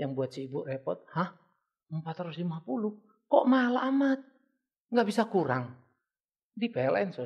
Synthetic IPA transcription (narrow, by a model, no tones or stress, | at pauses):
jaŋbuat̪̚siːburɛpɔt̪̚hah | mpat̪ɾuslimapulu | kɔʔmalaʔːmat̪̚ | ŋɡabisakuɾaŋ | dipɛlɛnsɔ